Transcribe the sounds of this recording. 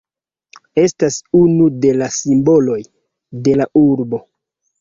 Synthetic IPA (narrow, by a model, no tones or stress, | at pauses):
e̞stasunude̞lasimbo̞lo̞j | de̞laʔuɾbo̞